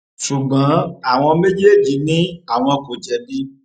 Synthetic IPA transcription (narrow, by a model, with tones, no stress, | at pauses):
ʃu˨ɡ͡bɔ̃˨˦a˦˨w̃ɔ̃˧me˦d͡ʒe˦˨d͡ʒi˨˦nĩ˦a˦˨w̃ɔ̃˧ko˨d͡ʒɛ˨bi˦